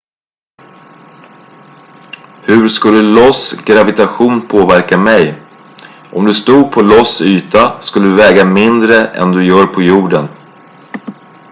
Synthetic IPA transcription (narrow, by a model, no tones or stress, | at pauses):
hɵɾskɵləd̪ɵlɔsɡɾavɪt̪aɧuːnpʰoːvæɾkamɛj | ʔɔmd̪ɵst̪uːd̪̚pʰɔlɔsyːt̪askɵlːəd̪ɵvɛːɡamɪnd̪ɾəʔɛ̰nd̪ɵjœːɾpʰɔjuːɖən